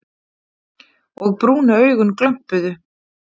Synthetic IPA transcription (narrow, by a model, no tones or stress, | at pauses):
ɔɣpɾuːnaœːɥɣʏnklœm̥pʏðʏ